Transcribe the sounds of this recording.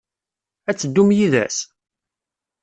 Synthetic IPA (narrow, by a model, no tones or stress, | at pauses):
æt͡sːəd̪ːumjiðæ̰s